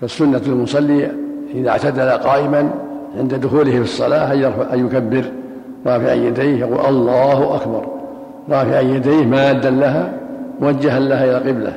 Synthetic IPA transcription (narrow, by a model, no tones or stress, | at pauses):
fasːʊnːaalmʊsˤɑlːɪjaʔɪða̰ʕt̪ad̪alaqɑːʔɪmanʕɪnd̪ad̪ʊxuːlɪhɪfɨsˤːɑlaːajɑɾˤfaʕʔajːʊkabːɪɾ | ɾˤɑːfɪʕa̰jːad̪ajhjɑquːlʔɑlˤːɑːhʊʔakbɑ̰ɾˤ | ɾˤɑːfɪʕajjːad̪ajhmaːd̪ːanlaɦamwad͡ʒːaɦanlahaʔɪlaqɪbla̰